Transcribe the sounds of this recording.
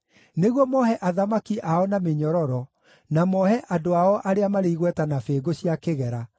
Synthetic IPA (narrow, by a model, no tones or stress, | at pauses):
neɣwɔmɔhɛʔaðamakiʔaɔnameɲɔɾɔɾɔ | namɔhɛʔadoaɔʔaɾeamaɾeiɣwɛtanafeːɡoɕjakeɣɛɾa